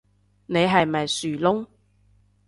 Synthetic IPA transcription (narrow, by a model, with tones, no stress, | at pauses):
ne˨˧jɦɐ˨jmɐ˨jsyː˨˩lʊ˥ŋ